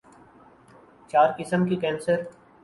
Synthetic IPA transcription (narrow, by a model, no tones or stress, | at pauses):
t͡ʃaːɾkɪsəmkikɛ̃ːnsəɾ